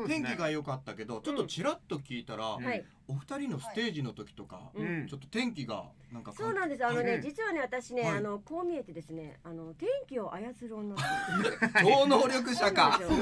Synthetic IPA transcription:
ẽ̞ŋkʲiɡajo̞kat̪ːake̞d̪o̞t͡ɕo̞t̪ːo̞t͡ɕiɾat̪ːo̞kʲiːt̪aɾahai | oɸɯ̟t̪aɾʲino̞sɨ̥t̪e̞ːʑino̞t̪o̞kʲi̥t̪o̞kã̰t͡ɕo̞t̪ːot̪ẽ̞ŋkʲiɡa̰ | nãŋkasoːnãnd̪e̞sɨano̞ne̞d͡ʑit͡sɨβane̞βat̪aɕine̞ano̞ko̞ːmʲie̞t̪e̞d̪e̞sɨne̞̰ano̞t̪ẽ̞ŋkʲio̞ʔajat͡sɨɾɯ̟õnːa | d̪oːnoːɾʲo̞kɯ̟ɕakao

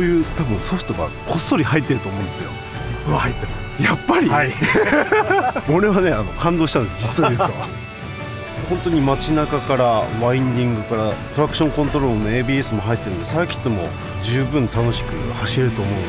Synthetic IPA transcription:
ojɯ̟ːt̪abɯ̟̃ɰ̃so̞ɸɯ̟̥t̪o̞ɡa̰kʰo̞sːo̞ɾʲihait̪ːe̞ɾɯ̟t̪oːmõ̞ːnd̪e̞sɨjo̞̰ | d͡ʑit͡sɨβahait̪ːeɾɯ | japːaɾʲii | oɾe̞βane̞ano̞kʰãnd̪o̞ːɕi̥ãnd̪esd͡ʑit͡sɨβaitoa | hõnt̪o̞ɲ̟imat͡ɕinakakaɾaβaĩɲd̪ʲĩŋɡɯ̟kaɾat̪o̞ɾakɯ̟̥ɕõ̞ŋkõnt̪oɾoɾonoeːbʲiːesɨmo̞ɦait̪ːe̞ɾɯ̟nd̪e̞saekʲi̥t̪ːo̞mo̞̰ | d͡ʑɨːbɯ̟̃nt̪ano̞ɕi̥kɯ̟̰haɕiɾeɾɯ̟t̪o̞ːmo̞ɯ̃ne

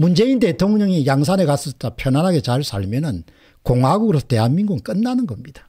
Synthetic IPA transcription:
mund͡ʑe̞inde̞tʰoŋuɲʌŋijaŋsʰane̞kas͈ʌsʰtapʰjʌnanɦaɡe̞t͡ɕaɭs͈aɭmjʌnɯn | koŋɦwaaɡukɯɾesʰʌ̥te̞ɦanmiŋɡuŋk͈ɯnːanɯnɡʌmɲid̥ḁ

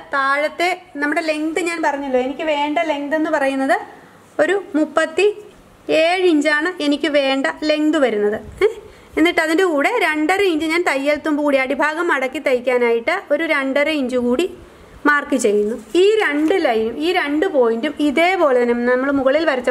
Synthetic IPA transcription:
t̪aːɻɐt̪ːe̞nɐmːuɽe̞le̞ŋd̪ɨɲaːnpɐrɐɲːulːo̞ːenikʲːɨʋe̞ːɳɖɐle̞ŋd̪enːɨpɐrɐjunːɐðɨ | o̞ɾumupːɐt̪ːi | eːɻiɲd͡ʑaːɳɨe̞nikʲːɨʋe̞ːɳɖɐle̞ŋd̪ɨʋɐɾunːɐðɨ | e̞nːiʈːɐðindekuːɽe̞ɾe̞ɳɖɐɾɐiɲd͡ʑɨɲaːnt̪ɐjːɐlt̪ːumbkuːɽiɐɽibʱaːɣɐmːɐɽɐkːit̪ːɐjikʲːaːnaːjiʈːɨo̞ɾuɾe̞ɳɖɐɾɐiɲd͡ʑukuːɽi | maːrkit͡ɕe̞jːunːuiːɾe̞ɳɖɨlɐjnumiːɾe̞ɳɖɨpo̞ːjindumiðe̞ːbo̞ːɭenɐmnnɐmːɐɭmuɣɐɭilʋɐɾɐt͡ɕːɐ

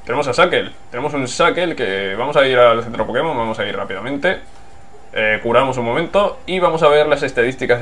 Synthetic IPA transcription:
t̪e̞ne̞mosasake̞lt̪e̞ne̞mosunsakelkeβamosaiɾalθent̪ɾopoke̞moβamo̞sairapiðamẽnt̪e̞ | ekuɾamos̬unmomẽ̞nt̪o̞iβamo̞saβ̞e̞ɾlase̞st̪aðist̪ika

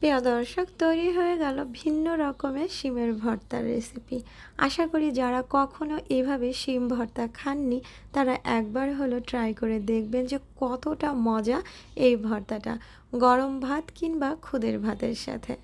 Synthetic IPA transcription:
peod̪ɔɾʃokt̪ojɾiɦoeɡɛlobʱinːoɾɔkomeʃimeɾbʱɔɾt̪a̰ɾːḛsipi | a̰ʃakoɾid͡ʑaɾakɔkʰonoʔejbʱabeʃimbʱɔɾt̪akʰanːit̪aɾaʔɛk̚baɾɦoloʈɾajkoɾed̪ekʰbend͡ʑekɔt̪oʈamɔd͡ʑa | ejbʱɔɾt̪aʈa̰ | ɡɔɾombʱat̪kinbakʰud̪eɾbʱat̪eɾʃa̰t̪ʰḛ

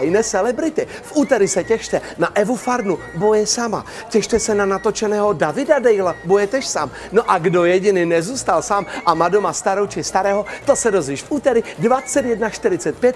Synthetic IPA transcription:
jnɛsɛlɛbɾɪt̪ɪ | fʔuːt̪ɛɾɪsɛcɛʃt̪ɛnaʔɛvufaɾnu | bojɛsama̰ | cɛʃt̪ɛsɛnanat̪o̞t͡ʃɛnɛːɦo̞davɪdadɛjlabojɛt̪ɛʃsaːm | noʔaɡdojɛɟɪnɪnɛzuːst̪alsaːmʔamadomast̪aɾowt͡ʃɪst̪aɾɛːɦot̪osɛdozviːʃfʔuːt̪ɛɾɪdvat͡sɛt̪jɛdnaʃt̪ɪɾɪt͡sɛt̪̚pjɛt̪̚

